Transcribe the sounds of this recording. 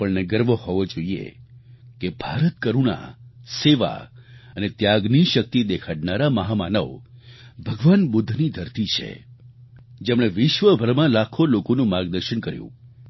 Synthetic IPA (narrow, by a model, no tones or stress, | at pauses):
pəɭnɛɡəɾʋohɔʋod͡ʒoiḛkebʱaɾət̪̚kəɾuɽa̰seʋa̰ənet̪jaɡniʃək̚t̪id̪ekʰaɽnaɾaməɦamanəʋbʱəɡʋanbʊd̪ʱːnid̪ʱəɾt̪it͡ʃʰḛ | d͡ʒemɭ̃eʋɪʃʋəbʱəɾmãlakʰolokonũmaɾɡd̪əɾʃəɳkəɾjṵ̃